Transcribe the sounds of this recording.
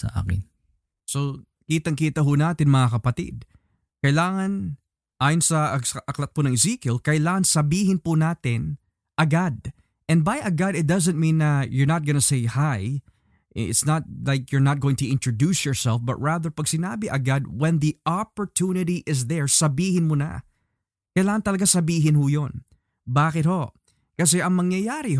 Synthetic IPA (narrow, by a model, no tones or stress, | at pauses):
sɐ̰ʔa̰ːkɪ̰n | so | kiːt̪ɐŋkiːt̪ɐɦʊnaːt̪ɪnmɐŋakɐpɐt̪ḭd̪̚ | kɐjlaːŋɐn | ʔaːjonsɐʔɐklɐt̪̚pʊnɐŋɪzikjɛlkɐʔlaːŋɐnsɐbiːɦɪnpʊnaːt̪ɪn | ʔɐɡad̪̚ | ʔɛ̃n̚bajʔɐɡad̪ɪt̪̚d̪ɐzɐ̃nt̪̚mĩnːɐjɔɹnɐt̪̚ɡɐnɐsejhaj | ʔɪ̰t̪snɐt̪̚lajkjɔɹnɐt̪̚ɡ̥owɪ̃ŋt̪ʊʔɪ̃nt̪ɹod̪usjɔɹsɛlfbɐ̰t̪̚ɹaðɛɹpɐɡsɪnaːbɪʔɐɡad̪̚wɛ̃nðiʔapoɹt̪ʰunɪɾiʔɪs̬ðɛɹsɐbiːhɪnmonɐ̰ | kɐjlaːŋɐnt̪ɐlɐɡasɐbiːɦɪnhʊjon | baːkɪt̪̚ho̞ʔ | kɐs̬ɛʔɐŋmɐŋjɐjaːɾi